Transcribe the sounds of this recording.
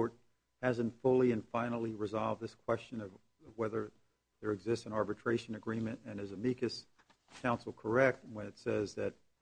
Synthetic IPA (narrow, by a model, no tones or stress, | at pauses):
ɹt̚ | hæzɨ̃ntfʊlˠiɨ̃nfãɪ̃nl̩ˠiɹɨzɑlˠvd̪̚ðɪskʰw̥ɛst͡ʃɨ̃nʌv | vwɛðə˞ | ðə˞ɨɡzɪstsɨ̃nɑɹbɨtʰɹ̥eɪʃɨ̃nɨɡɹĩmɨ̃ntɨ̃nɨzɨmikɨs | kʰãʊ̃nsl̩ˠkʰə˞ɛk̚t̚wə̃nɨtsɛzðɨt̚